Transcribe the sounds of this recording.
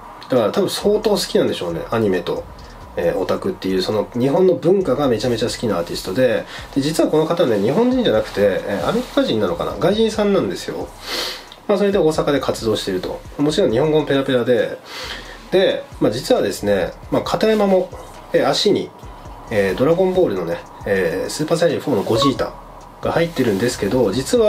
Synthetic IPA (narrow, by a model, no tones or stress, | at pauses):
d̪̥akaɾat̪abɯ̟̃so̞ːt̪o̞ːsɨ̥kʲinãnd̪e̞ɕo̞ːne̞̰ʔaɲ̟ime̞t̪o̞̰ | eːʔo̞t̪akɯ̟t̪ːe̞jɯ̟ːso̞no̞ɲ̟iɦõ̞nːo̞bɯ̟̃ŋkaɡame̞t͡ɕame̞t͡ɕasɨ̥kʲinaaːt̪ʲisɨ̥t̪o̞d̪e̞d̪̥ed͡ʑit͡sɨβako̞no̞kat̪aβaneɲ̟iɦõ̞ɲ̟d͡ʑĩɲ̟d͡ʑanakɯ̟̥t̪e̞ḛːa̰me̞ɾʲikaʑĩnːano̞ka̰na̰ɡaiʑĩɰ̃sãnːãnd̪e̞sɨ̥jo̞̰ | maso̞ɾe̞d̪e̞o̞ːsakad̪e̞kʰat͡sɨd̪o̞ːɕi̥t̪e̞ɾɯ̟t̪o̞̰mamo̞t͡ɕiɾõ̞ɲ̟ɲihõ̞ŋɡo̞nope̞ɾape̞ɾad̪e̞ | d̪̥e̞mad͡ʑit͡sɨβad̪e̞sɨne̞makʰat̪aemamo̞ | eaɕiɲ̟ḭ | eːd̪o̞ɾaɡõ̞mbo̞ːɾɯ̟no̞ne | eːsɨːpaːs̬aiɾiɸo̞ːnoɡo̞ʑiːt̪a̰ | ɡ̥ahait̪ːe̞ɾɯ̟̃nd̪e̞sɨ̥ke̞d̪o̞d͡ʑit͡sɨβa